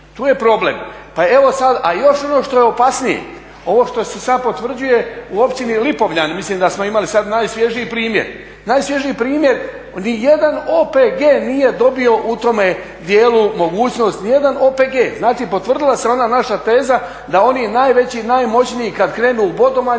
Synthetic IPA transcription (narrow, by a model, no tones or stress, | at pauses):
t̪uːje̞pɾo̞blḛm | pae̞ʋo̞sad̪ajo̞ʃo̞no̞ʃt̪o̞jeopasnijḛ | o̞ʋo̞ʃt̪o̞sesad̪̚po̞t̪ʋr̩d͡ʑuje̞uo̞pt͡ʃinilipo̞ʋʎanmislimd̪asmo̞imalisad̪najsʋje̞ʒiipɾiːmjḛɾ | naːjsʋje̞ʒiipɾiːmje̞ɾ | nijed̪anoːpeɡe̞ːnije̞d̪o̞bio̞ʔut̪o̞me̞ | d̪jeːlumo̞ɡuːt͡ɕno̞st̪nije̞d̪ano̞ːpeɡe̞ːznaːt͡ʃipo̞t̪ʋr̩d̪ilˠaseo̞nanaʃat̪e̞ːza | d̪ao̞ninaːjʋe̞t͡ɕinajmo̞t͡ɕnijikad̪kɾe̞ːnubo̞d̪oʋa